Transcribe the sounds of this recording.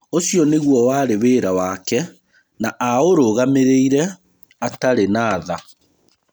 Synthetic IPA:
osijɔneɣwɔwaɾeweːɾawakɛ | naʔaoɾoɣameɾeiɾɛ | ataɾenaːða

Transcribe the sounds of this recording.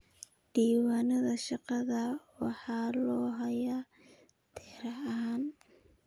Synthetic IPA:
ɖ̥iːwaːnɐðɐʃɑqɑðɐwɑħɑːlɔːɦɐjɐ | t̪ʰɪhɾɐɐɦaːn

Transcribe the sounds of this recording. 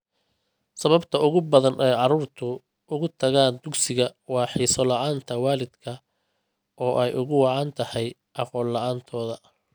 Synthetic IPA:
sɐβɐbt̪ʰɐʊɣʊbɐðɐnʔɛjʕɑɾuːrt̪ʰʊ | ʊɣʊt̪ʰɐɣaːnd̪ʊɡsɪɣɐwɑːħiːsɔlɑʕaːnt̪ʰɐwɑːlɪd̪kʰɐ | ʔɔːʔɛjʔʊɣʊwɑʕɑːnt̪ʰɐhɛj | ʔɑqɔːlːɑʕaːnt̪ʰɔːðɐ

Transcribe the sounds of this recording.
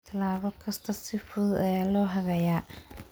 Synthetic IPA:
t̪ʰɐlaːβɔkʰɐst̪ʰɐssɪfʊðɛːlɔːɦɐɣɐjaː

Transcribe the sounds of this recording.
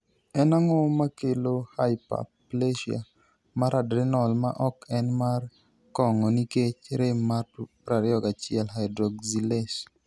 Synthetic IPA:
ɛnaŋɔmakelohajpa̰pleʃia̰ | maɾadɾɪnɔlma̰ʔɔkɛnmar | kɔŋɔniket͡ʃɾemapɾaɾɪɔkat͡ʃɪɛlɦajdɾɔɡziles

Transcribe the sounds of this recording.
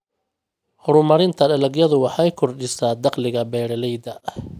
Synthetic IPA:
hɔɾʊmɐɾɪnt̪ʰɐɖɐlɐɡjɐðʊwɑħɑjkʰɔrɖɪsaːd̪ɑqlɪɣɐbɛːɽɐlɛjd̪ɐ

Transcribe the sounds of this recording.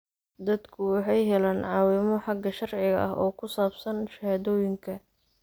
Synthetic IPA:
d̪ɐd̪kʰʊwɑħɑjɦɛlaːnʕɑːwɪmɔħɑɡɐʃɐrʕɪɣɐ̰ʔɐ̰ɦɔːkʰʊsaːbsɐnʃɐhaːðɔːjɪŋkʰɐ

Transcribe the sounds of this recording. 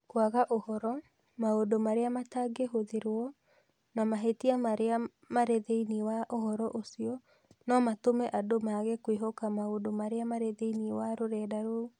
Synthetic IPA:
kwaɣaʔohɔɾɔ | maodomaɾeamataɡeɦoðeɾwɔ | namaɦetiamaɾea | maɾeðeiniwaʔoɦɔɾɔʔosiɔ | nɔmatomɛʔadomaɣekweɦokamaodomaɾeamaɾeðeiniwaɾoɾɛːdaɾo

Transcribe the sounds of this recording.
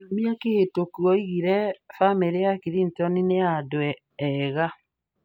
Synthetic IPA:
namiakehetokwɔiɣiɾɛfameɾeakiɾintɔnineadwɛː | ɣa

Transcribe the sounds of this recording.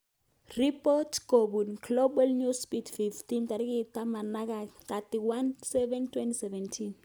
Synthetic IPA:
ripɔtʰɡ̥oɓunɡlobalnuspitʰfiftʰʼintaɾik̬itʼamanak̬akatiwansɛvɛntʰwɛntisɛvɛntʰin

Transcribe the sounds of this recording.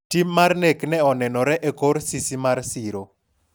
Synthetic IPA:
timːarneknɛɔnɛnɔɾɛʔɛkoɾsisimarsiɾo

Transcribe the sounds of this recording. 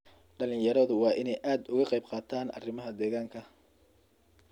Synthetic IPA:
ɖɐlɪjɐɾɔðʊwɑːʔɪnɛjʔaːd̪ʊɣɐqɛjbqɑːt̪ʰaːnʔɐ̰rɪmɐɦɐd̪ɛːɣaːŋkʰɐ

